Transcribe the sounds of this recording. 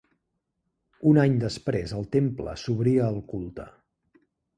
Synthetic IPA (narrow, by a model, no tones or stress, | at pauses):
unaɲd̪əspɾezəlˠt̪emplə̰suβɾiəːlˠkulˠt̪ə